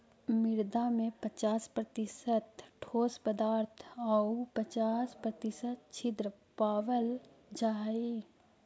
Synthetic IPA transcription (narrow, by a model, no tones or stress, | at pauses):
mɪɾd̪amẽpət͡ʃaːspɾət̪ɪsət̪ʈʰoːspəd̪aːɾt̪ʰaupət͡ʃaːspɾət̪ɪsət̪̚t͡ʃʰɪd̪ɾəpaːʋəl | d͡ʒaːi